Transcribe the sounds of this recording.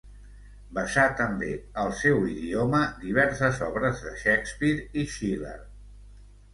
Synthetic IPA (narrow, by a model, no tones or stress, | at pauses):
bəsat̪əmbeəlˠsɛwiðioməd̪iβ̞ɛɾsəzɔβɾəzðəʃɛkspiɾiʃilə̰ɾ